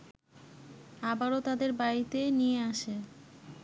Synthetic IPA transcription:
abaɾot̪ad̪eɾbaɾit̪enijeaʃe

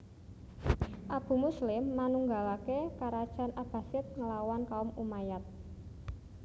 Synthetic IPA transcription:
ʔab̥ṳmuslɪmːanuŋɡalakekaɾad̥ʒ̥a̤nʔab̥a̤sɪt̪̚ŋəlawankaʊmumajat̪̚

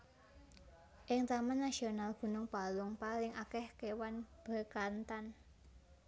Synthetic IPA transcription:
ʔɪŋt̪amanːasionalɡ̥ṳnʊŋpalʊŋpalɪŋʔakɛhkewanb̥a̤kant̪an

